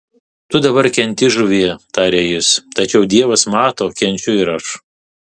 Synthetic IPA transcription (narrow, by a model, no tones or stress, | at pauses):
t̪ʊd̪ɐbɐɾkʲɛnʲt̪ʲɪʒʊʋʲiɛt̪ɑːɾʲeːjɪst̪ɐt͡ʃʲɛʊd̪ʲiɛʋɐsmɑːt̪oːkʲɛnʲt͡ʃʲʊɪɾɐʃ